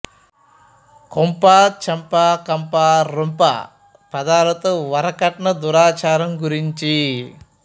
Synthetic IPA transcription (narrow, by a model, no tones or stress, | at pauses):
kompaːt͡ʃɐmpaːkɐmpaːɾumpa̰ | pɐd̪aːɾɐt̪ɐʋɐɾɐkɐʈɐɳɐd̪uɾaːt͡ʃaːɾɐmɡuɾiɲt͡ʃi